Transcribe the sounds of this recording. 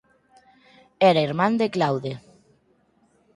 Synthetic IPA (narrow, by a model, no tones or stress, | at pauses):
eɾaiɾmãnd̪eklawðe